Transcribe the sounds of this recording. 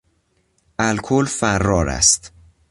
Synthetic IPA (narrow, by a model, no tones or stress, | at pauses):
ʔælkʰolfærːɒːɾæ̰st̪